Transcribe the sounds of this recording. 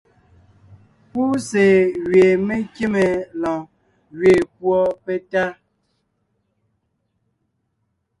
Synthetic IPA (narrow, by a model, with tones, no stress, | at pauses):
pu˦se˨ɣɥe˨me˦kje˦me˨lɔ̃˨ | ɣɥe˨k̚wɔ˦pɛ˦ta˦